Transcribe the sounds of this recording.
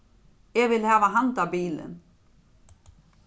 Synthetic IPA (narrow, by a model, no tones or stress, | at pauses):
jɛɣvɪlhaːvaɦant̪abiːlɪ̰n